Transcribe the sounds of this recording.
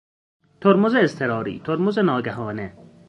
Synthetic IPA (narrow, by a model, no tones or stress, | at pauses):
t̪ʰoɾmʊzeːst̪ʰeɾɔːɾḭːt̪ʰoɾmʊzenɑːɡaɦɒːne